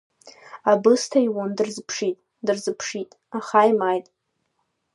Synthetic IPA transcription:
abɨstʰaiwondɨrzpʰʂitʼ | dɨrzɨpʰʂitʼ | aχajmajtʼ

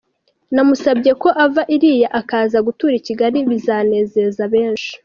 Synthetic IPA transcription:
namusabɟe̞ko̞ʔavaʔiɾijaʔakaːzaɡutuːɾiciɡaɾiβizaːne̞ːze̞zaβe̞ːnʃi̥

